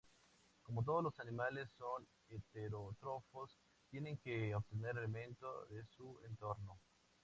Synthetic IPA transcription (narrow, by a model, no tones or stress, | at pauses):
komot̪̬oðolosanimalesːon | et̪eɾot̪ɾofos | t̪jeneŋkeobt̪eneɾelemẽnt̪o̰ðesuḛnt̪oɾno